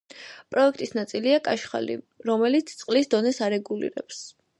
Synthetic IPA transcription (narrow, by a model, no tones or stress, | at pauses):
pʼɾɔɛk̚ʰt̪ʼisnat̪sʼiliakʼaʃχa̰lḭ | ɾɔmɛlit̪sʰt̪sʼqʼlisd̪ɔnɛsaɾɛɡulḭɾɛ̰ps